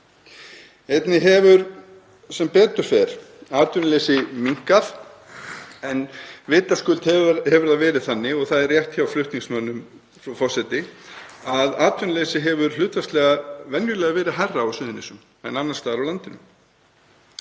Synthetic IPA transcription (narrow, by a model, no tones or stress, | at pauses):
ejt̪nɪɦɛvʏɾ | sɛmpɛːt̪ʏɾ̥fɛɾ̥ | aːt̪vʏnalesɪmiŋ̥kaθ | ɛnvɪːt̪askʏlt̪hɛhɛvʏɾðaðvɛːɾɪðθanːɪɔɣθaðɛrːjɛht̪çawflʏht̪niŋsmœnːʏm | fafɔrsɛt̪ɪaðaːt̪vʏnalesɪɦɛvʏɾ̥lʏːt̪vast̪lɛːɣavɛnjʏɾlɛːɣavɛːɾɪðɦajrːaawsʏːðɪnɪsʏm | nanːanst̪aːðɾawlant̪ɪnʏm